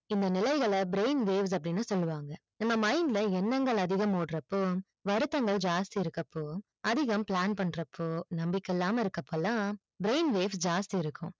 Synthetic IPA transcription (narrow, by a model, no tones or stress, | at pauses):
ɪnd̪ɐnɪlɐɪɣɐɭɐbɾeɪnʋeːʋs̬ɐpːɐɽɪnːɯsɔlːɯʋaːŋɡɐnɐmːɐmɐɪŋɡlɐɛnːɐŋɡɐɭɐðɪɣɐmoːɽɾɐpːoː | ʋɐɾɯt̪ːɐŋɡɐɭd͡ʒaːst̪iɪɾɯkːɐpːoː | ɐðɪɣɐmpɭaːnpɐɳːɾɐpːoːnɐmbɪkːɛlːaːmɐɪɾɯkːɐpːɐlːãː | bɪɾeɪnʋeːʋsd͡ʒaːst̪iɪɾɯkːʊ̃